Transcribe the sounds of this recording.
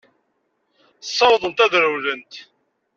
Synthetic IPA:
sˤːɑwðˤənt̪æðɾəwlənt̪

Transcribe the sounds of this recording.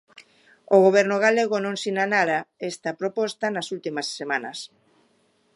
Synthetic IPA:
oɣoβ̞ɛɾnʊɣaleɣonõŋsinanaɾaest̪ɐpɾopɔst̪ɐnɐsult̪imɐsːemanɐ̰s

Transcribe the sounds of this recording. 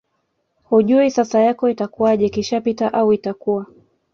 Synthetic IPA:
huʄuisasajakɔitakuaʄɛkiʃapitaʔauitakua

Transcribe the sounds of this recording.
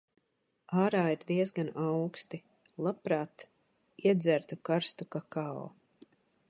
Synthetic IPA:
aːɾaːiɾd̪iɛzɡanawkst̪i | lˠapɾaːt̪ | iɛd̪zʲæɾt̪ukaɾst̪ukakaɔ̰

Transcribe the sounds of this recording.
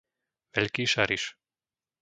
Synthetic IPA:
vɛlʲkiːʃaɾiʃ

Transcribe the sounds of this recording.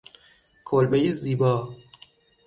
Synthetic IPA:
kʰolbejeziːbɒː

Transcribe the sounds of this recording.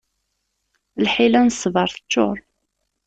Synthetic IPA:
lħilænəsːvəɾˤθə̥t͡ʃːo̰ɾˤ

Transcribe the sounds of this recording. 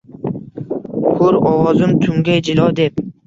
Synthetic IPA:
kʰʊɾɒwɒzɪmt̪ʰʊŋɡʲajd͡ʒɪlɒd̪e̞p̚

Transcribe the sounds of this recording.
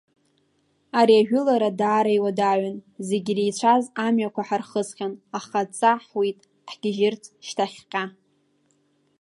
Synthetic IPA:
aɾiaʒᶣʊlaɾadaːɾajwadaʕanze̞ɡʲirejt͡ɕʷʰazamɥakʷʰaħarχəzχʲanaχat͡sʼaħwitʼ | ħɡ̥ʲɪʒɪrt͡sʰʃtʰaχʲqʲʼa

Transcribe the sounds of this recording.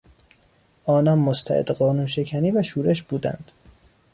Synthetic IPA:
ʔɒːnɒmːost̪ʰæ̰ʔḛd̪ɢɒːnuːnʃe̞cʰæniːvæʃuːɾeʃb̥uːd̪æ̰nd̪̥

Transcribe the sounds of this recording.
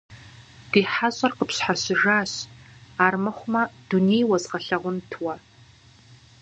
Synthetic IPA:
d̥iːħaɕʼɐrqəpsħaɕɪʒaːɕaːrmɐχʷʊmɐd̥unejwɐzʁɐɬɐʁʷʊntʰwɐ

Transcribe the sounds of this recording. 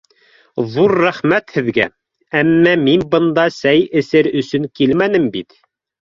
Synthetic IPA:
ðuɾːæχmæt̪hɘ̆ðɡæ | æmːæminbɤ̆nd̪ɑsæjɘ̆sɘɾɵ̆sɵŋkilmænɘmbit̪

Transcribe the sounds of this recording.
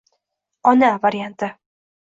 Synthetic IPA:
ɒnavaɾijant̪ɪ

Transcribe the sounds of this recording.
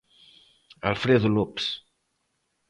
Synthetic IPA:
a̰lfɾeðulups

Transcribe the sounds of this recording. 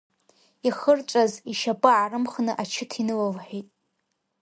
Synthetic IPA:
iχərt͡ʃʷʼaziʃapʼɨʕaɾɨmχnɨʔat͡ʃʰɪtʰinɨlavħʷᶣitʼ

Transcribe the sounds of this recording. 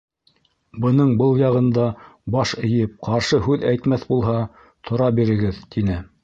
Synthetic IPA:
bɤ̆nɤɴbɤlˠjɑʁɤ̆nd̪ɑbɑʃɘ̆jɘp̚qɑɾʃɤɦʉðæjt̪mæθbulˠɦɑ | t̪ʰŏɾɑbiɾɘ̆ɡɘðt̪ʰinɘ

